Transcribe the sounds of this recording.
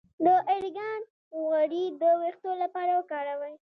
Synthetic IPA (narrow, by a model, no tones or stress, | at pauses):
d̪əʔaɾɡɑn | ɣaɽid̪əwext̪olapɑɾawəkɑɾawaj